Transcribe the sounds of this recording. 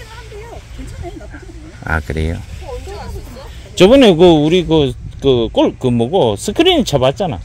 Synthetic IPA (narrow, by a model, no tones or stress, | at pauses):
a̰kɯɾḛjo̰ | t͡ɕobɯnekɯuɾiɡɯkɯkoɭkɯmoɡosʰɯkʰɯɾinɯt͡ɕʰabat̚t͡ɕ͈ana̰